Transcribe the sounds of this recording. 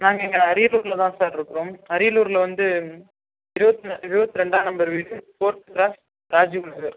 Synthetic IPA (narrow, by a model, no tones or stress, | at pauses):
naːŋɡɐɪŋɡɐɐɾɪjluːɾɪlɐt̪ãːsaːʈɪɾɯkːɯɾoːmɐɾɪjɪluːɾɪlɐʋɐnd̪ɯ | ɪɾɯbɐt̪ːɐɪɾɯbɐt̪ːɯɾɛɳɖaːnɐmbɐɾʋiːɽɯpoːɾʈːɯkɾaːs | ɾaːd͡ʒiʊɭɐɣɐɾ